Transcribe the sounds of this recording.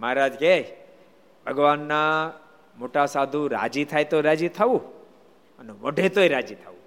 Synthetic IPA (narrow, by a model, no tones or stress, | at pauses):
maaɾad͡ʒke | bʱəɡʋanːa | moʈasad̪ʱũɾa̰d͡ʒit̪ʰajt̪oɾad͡ʒit̪ʰəʋũ | ənɛʋɔɖʱet̪oiɾad͡ʒit̪ʰaʋũ